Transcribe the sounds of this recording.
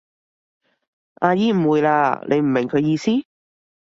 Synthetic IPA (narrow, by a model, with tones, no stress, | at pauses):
ʔaː˧jiː˨˥m̩˨˩wuː˨˧jla̰ː˧lʔe˨˧m̩˨˩mɪ˨˩ŋkʰɵ˨˧ɥjiː˧siː˥